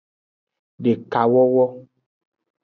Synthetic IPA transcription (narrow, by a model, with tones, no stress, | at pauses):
ɖe˨ka˨wɔ˦wɔ˦